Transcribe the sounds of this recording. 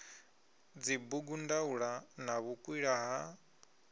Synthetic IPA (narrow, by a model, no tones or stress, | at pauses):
d͡zibuɡundauɺanaβukʼwiɺaɦa